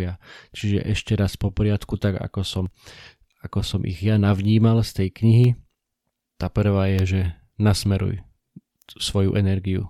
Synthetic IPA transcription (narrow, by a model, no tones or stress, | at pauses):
ɪat͡ʃiʒɛ̰ʔɛʃcɛɾaspɔpɔɾɪat̪kut̪aɡa̰kɔsɔm | akɔsɔmʔḭɣjanaʋɲiːmalst̪ɛjkɲiɦi | t̪apr̩ʋaːjɛʒɛ | nasmɛɾṵj | sʋɔjṵʔɛnɛɾɡiṵ